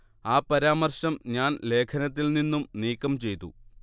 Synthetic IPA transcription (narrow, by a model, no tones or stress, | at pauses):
aːpɐɾaːmɐrɕɐmɲaːnle̞ːkʰɐnɐt̪̬ːilninːumniːkːɐmt͡ɕe̞jt̪ṵ